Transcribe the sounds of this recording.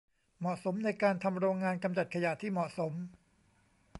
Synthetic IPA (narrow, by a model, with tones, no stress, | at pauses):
mɔ˨˩ʔso˩˦mna˧jkaː˧nt̪ʰa˧mɾoː˧ŋːaː˧nka˧mt͡ɕa˨˩t̪̚kʰa˧ja˨˩t̪ʰːiː˥˩mɔ˨˩ʔso˩˦m